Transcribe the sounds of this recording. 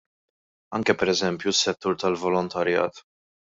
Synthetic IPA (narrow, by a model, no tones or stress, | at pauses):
ɐŋkɛpɛɾɛzɛmpjusːɛt̪ːuːɾt̪ɐlvɔlɔnt̪ɐɾjɐ̰ːt̪